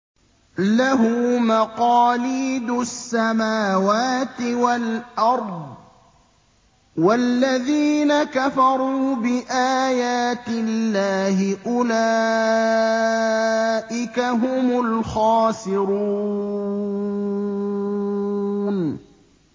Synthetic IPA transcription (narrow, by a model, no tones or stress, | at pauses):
laɦʊmaqɑːliːd̪ʊsːamaːwaːt̪ɪwalʔɑɾˤd̪ˤ | walːaðiːnakafɑɾˤuːbɪʔaːjaːt̪ɪlːaːɦɪʔʊla | ʔɪkaɦʊmʊlxɑːsɪɾuː | n